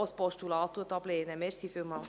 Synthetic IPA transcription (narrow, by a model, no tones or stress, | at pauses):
ɔspɔʃtulɑːt̪uət̪ɑb̥leːnəmeɾsifɪlmɑl